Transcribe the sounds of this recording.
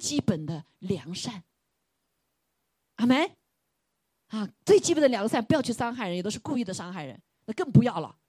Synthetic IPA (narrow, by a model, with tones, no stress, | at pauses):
t͡ɕi˥pə˨˩nd̪ə˦ | ljɑ˨˩˦ŋʂa˥˩n | a˥˩me˥ɪ | ɐ˥˧t͡swe˥˩ɪt͡ɕi˥pə˨˩nd̪ə˧ljɑ˧˥ŋ˧ʂa˥˩npu˧˥jʊt͡ɕʰy˥˩ʂɑ˥ŋxa˥˩ɪɻə˧˥jt̪o˥ʊ˥ʂku˥˧y˥˩d̪ə˩ʂɑ˥ŋxa˥˩ɪɻə̰˧˥n | na˥˧kɤ˥˩ŋpu˧˥jɑ˥˩ʊlə̰˩